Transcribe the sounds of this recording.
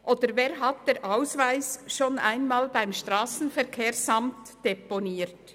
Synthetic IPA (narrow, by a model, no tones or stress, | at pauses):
ʔoːd̥̪əɾveːɾɦɑt̚d̥eːɾʔaʊsvaɪsʃoːna̰ɪnmɑːlbaɪmʃtʁɑːsn̩fɛɾkʰeːɾsɑmt | d̥ɛponiːɾt